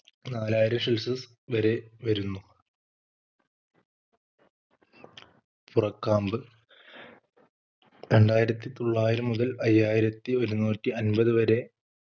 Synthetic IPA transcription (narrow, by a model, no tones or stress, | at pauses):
naːlaːjiɾɐmʂelsɐs | ʋɐɾe̞ʋɐɾunːu | purɐkːaːmbɨ | ɾe̞ɳɖaːjiɾɐt̪ːit̪o̞ɭːaːjiɾɐmːuðɐlɐjːaːjiɾɐt̪ːio̞ɾunuːtːiɐnbɐðɨʋɐɾe̞